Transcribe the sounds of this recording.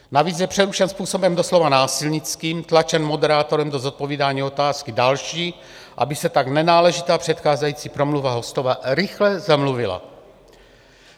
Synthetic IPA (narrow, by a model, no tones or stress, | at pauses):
naviːt͡sjɛpr̥ɛɾuʃɛnspuːso̞bɛmdoslovanaːsɪlɲɪt͡skiːmt̪lat͡ʃɛnmodɛɾaːt̪oɾɛmdozot̪̚poviːdaːɲiːo̞t̪aːskɪdalʃiː | ʔa̰bɪsɛt̪aɡnɛnaːlɛʒɪt̪aːpr̝̥ɛt̪xaːzajiːt͡siːpɾomluvaɦo̞st̪ovaɾɪxlɛzamluvɪla̰